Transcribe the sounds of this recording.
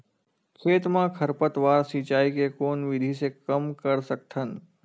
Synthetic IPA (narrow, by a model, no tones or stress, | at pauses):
kʰeːt̪mãkʰɐɾpət̪ʋaːɾsiːt͡ʃaːikekoːnʋɪd̪ʱisekɐmkəɾsɐk̚t̪ʰən